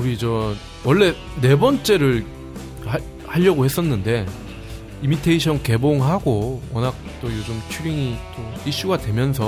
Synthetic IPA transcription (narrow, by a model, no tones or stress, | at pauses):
uɾid͡ʑʌ | wʌɭːe̞ | ne̞bʌnt͡ɕ͈e̞ɾɯɭ | ha | haʎːʌɡohe̞s͈ʌnːɯnde̞ | imitʰeiɕʰʌnke̞boŋɦaɡowʌnak̚t͈ojod͡ʑɯmt͡ɕʰuɾiŋit͈oiɕ͈uɡadwe̞mjʌns̬ʰʌ